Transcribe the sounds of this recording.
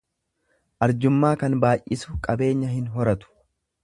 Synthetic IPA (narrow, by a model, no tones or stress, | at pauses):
ʔɐɾd͡ʒʊmːaːkɐnbaːjʔɪsʊkʼɐbe̞ːɲːɐɦɪnɦɔɾɐt̪ʊ̥